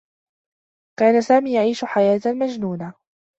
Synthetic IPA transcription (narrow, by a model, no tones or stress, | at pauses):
kaːnasaːmiːjaʕiːʃʊħajaːt̪amad͡ʒnuːna